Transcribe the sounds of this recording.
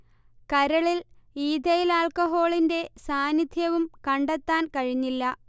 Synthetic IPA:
kɐɾɐɭiliːd̪ʱɐjilaːɭkɐɦo̞ːɭinde̞saːnid̪ʱjɐʋumkɐɳɖet̪ːaːnkɐɻiɲːilːɐ

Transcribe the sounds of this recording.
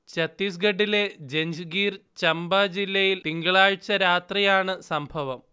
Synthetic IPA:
t͡ɕɐt̪ːis̬ɡɐɖːile̞d͡ʑeɲd͡ʑɨɡiːrt͡ɕɐmbɐd͡ʑilːɐjilt̪iŋɡɐɭaːɻɨt͡ɕːɐɾaːt̪rɐjaːɳɨsɐmbʱɐʋɐm

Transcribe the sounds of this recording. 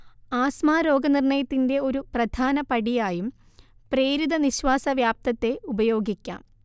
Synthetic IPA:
aːsmaːɾo̞ːɡɐnirɳɐjɐt̪ːinde̞o̞ɾuprɐd̪ʱaːnɐpɐɽijaːjum | preːɾud̪ɐniɕʋaːsɐʋjaːp̚t̪ɐt̪ːe̞ʔubɐjo̞ːɡikʲːa̰ːm

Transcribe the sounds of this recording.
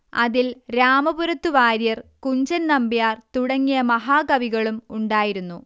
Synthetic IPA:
ɐ̰ðilɾaːmɐbuɾɐt̪ːuʋaːɾjɐrkuɲd͡ʑɐnnɐmbijaːrt̪uɽɐŋːijɐmɐɦaːkɐʋiɣɐɭumuɳɖaːjiɾunːu

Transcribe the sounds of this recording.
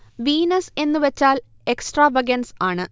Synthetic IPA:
ʋiːnɐse̞nːɨʋɐt͡ɕːaːl | e̞ksʈraːʋɐɡɐnsaːɳɨ

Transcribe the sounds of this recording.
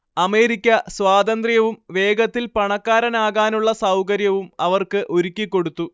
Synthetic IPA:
ɐme̞ːɾikʲːɐsʋaːd̪ɐnd̪rijɐʋumʋe̞ːɡɐt̪ːilpɐɳɐkːaːɾɐnaːɣaːnuɭːɐsɐwkɐɾjɐʋumɐʋɐrkɨʔo̞ɾukʲːikːo̞ɽut̪ːu

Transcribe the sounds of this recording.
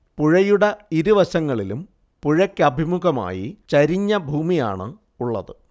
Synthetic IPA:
puɻɐjuɽɐiɾuʋɐɕɐŋːɐɭilum | puɻɐkʲːɐbʱimuɣɐma̰ːjḭt͡ɕɐɾiɲːɐbʱuːmija̰ːɳɨ | uɭːɐ̰ðɨ

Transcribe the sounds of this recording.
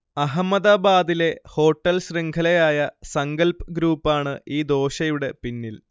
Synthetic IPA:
ɐɦɐmːɐðaːbaːd̪ile̞ho̞ːʈːɐlɕreŋɡʰʱɐlɐjaːjɐsɐŋɡɐlpɡɾuːpːaːɳɨiːd̪o̞ːɕɐjuɽe̞pinːil

